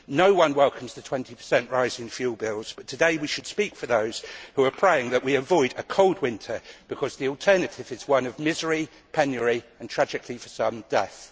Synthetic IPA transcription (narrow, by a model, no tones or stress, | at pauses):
nəʊwʌ̃nwɛlˠkʰə̃mzðətʰw̥ɛ̃ntipʰə̥sɛ̃nʔɹaɪzɪ̃ŋfjʉːlˠbɪlˠz̥b̥ʌtʰədeɪwiʃəd̥spiˑkfəðəʊz̥huəpʰɹ̥eɪɪ̃ŋðəʔwiəvɔɪɾəkʰoʊlˠd̚wɪ̃ntʰəb̥ɪkʰɒzðiɔlˠtʰɜːnətʰɪvɪzwʌ̃nəvmɪzəɹi | pʰɛ̃njəɹiə̃ntʰɹ̥ad͡ʒɪkʰlifəsʌ̃mdɛθ